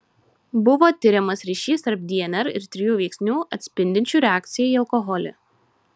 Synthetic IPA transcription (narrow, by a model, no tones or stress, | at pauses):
bʊʋoːt̪ʲɪɾʲɛmɐsɾʲiːʃʲiːst̪ɐɾp̚d̪ʲiɛnʲɛɾɪɾt̪ʲɾʲɪjuːʋʲɛɪksʲnʲuːʔɐt̪ʲsʲpʲɪnʲd̪ʲɪnʲt͡ʃʲuːɾʲɛaːk̚t̪sʲɪjɛiːɐlˠkɔɦɔlʲɛ̰